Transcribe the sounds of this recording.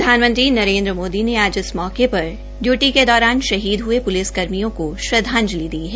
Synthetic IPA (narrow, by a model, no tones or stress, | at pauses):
d̪ʱaːnmə̃nt̪ɾinɐɾẽːnd̪ɾəmoːd̪ineaːd͡ʒɪsmɔːkepɐɾ | ɖjuːʈiked̪ɔːɾaːnʃɐɦiːd̪ɦuepʊlɪskɐɾmijõkoʃɾɐd̪ʱãːɲd͡ʒlid̪iːɦɛ